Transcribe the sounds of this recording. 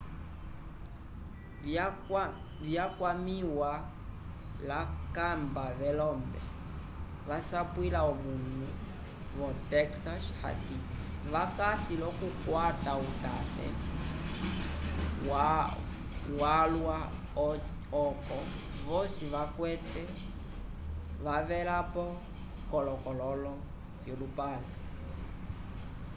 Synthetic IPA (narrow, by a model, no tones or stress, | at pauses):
βjakwamiwa | lakambaβɛlɔmbɛ̰ | βasapwilaɔβuŋu | βɔtɛksasha̰tiβakasilɔkukwatautatɛ̰ | wa | walwa | ɔkɔ | βɔsiβakwɛtɛ | βavɛlapɔ | kɔlɔkɔlɔlɔ | fjɔlupalɛ